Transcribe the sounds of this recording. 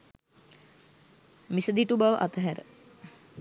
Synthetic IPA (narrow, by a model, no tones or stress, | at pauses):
misəd̪iʈubaʋəʔat̪əɦæɾə̰